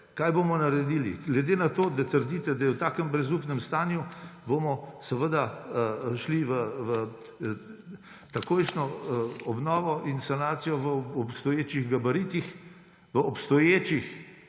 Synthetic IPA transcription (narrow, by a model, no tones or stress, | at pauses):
kaːjbomɔnaɾɛd̪ilḭɡlɛd̪eːnat̪oːd̪at̪əɾd̪it̪ɛd̪ajɛwt̪aːkəmbɾɛzuːpnɛmst̪aːnjubomɔsɛʋəd̪a | ʃliʋəʋə | t̪akojʃnɔɔbnɔːʋɔʔinsanaːt̪sijɔʋəɔpst̪ɔjeːt͡ʃiɣɡabaɾit̪ix | ʋəɔpst̪ɔjeːt͡ʃix